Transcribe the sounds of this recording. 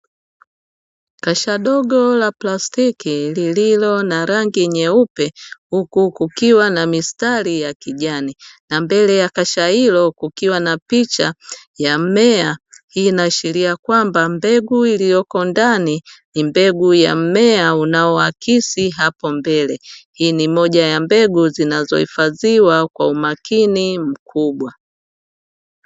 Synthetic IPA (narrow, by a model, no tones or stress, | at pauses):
kaʃaɗɔɡɔlaplastikilililɔnaɾaŋɡiɲɛupɛhukukukiwanamistalijakiʄaninambɛlɛjakaʃailɔkukiwanapit͡ʃajam̩mɛahiːnaʃiliakwambambɛɡuilijɔkɔndaninimbɛɡuja̰m̩mɛaunaɔakisiɦapɔmbɛlɛhiːnimɔʄajambɛɡuzinazɔ̰hḭfaziwakwaumakinim̩kʰuɓwa